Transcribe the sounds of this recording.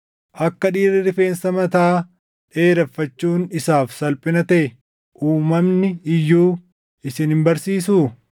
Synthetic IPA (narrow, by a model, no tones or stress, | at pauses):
ʔɐkːɐᶑiːɾɪɾɪfe̞ːnsɐmɐt̪aː | ᶑe̞ːɾɐfːɐt͡ʃːuːnɪsaːfsɐlpʼɪnɐt̪ɐʔɛ | ʔuːmɐmnɪɪjːuː | ɪsɪnhɪmbɐɾsiːs̬uː